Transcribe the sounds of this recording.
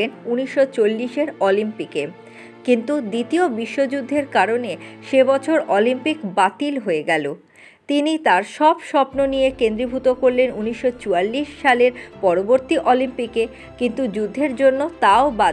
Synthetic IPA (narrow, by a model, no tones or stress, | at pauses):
enuniʃːot͡ɕolːiʃeɾɔlimpike | kint̪ud̪it̪iobiʃːod͡ʑud̪ʱːeɾkaɾoneʃebɔt͡ɕʰoɾʔɔlimpikbat̪ilɦoeɡɛlo | t̪init̪aɾʃɔbʃɔpnonijekend̪ɾibʱut̪okoɾlenuniʃːot͡ɕualːiʃːaleɾpɔɾoboɾt̪iʔɔlimpike | kint̪ud͡ʑud̪ʱːeɾd͡ʑonːot̪aoba